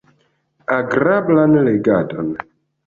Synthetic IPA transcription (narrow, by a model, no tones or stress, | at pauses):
aɡɾablanleɡadɔn